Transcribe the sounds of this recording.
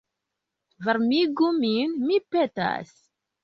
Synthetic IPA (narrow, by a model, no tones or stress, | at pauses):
vəɾˤmiɡuminmipːet̪æ̰s